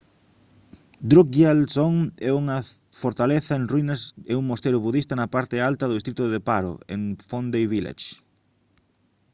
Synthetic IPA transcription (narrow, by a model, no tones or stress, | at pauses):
d̪ɾukalsoŋɛuŋɐ | foɾt̪aleθɐenrwinaseuŋmost̪eɾʊβuðist̪ɐnɐpaɾt̪ɪalt̪ɐðʊðist̪ɾit̪ʊðepaɾo̰ḛŋfond̪ejβilḛt͡ʃ